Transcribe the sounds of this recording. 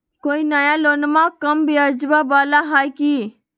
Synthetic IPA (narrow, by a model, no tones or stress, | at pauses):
koːinajaloːnmãkəmbʱiəd͡ʒʋabaːlaɦaːjkiː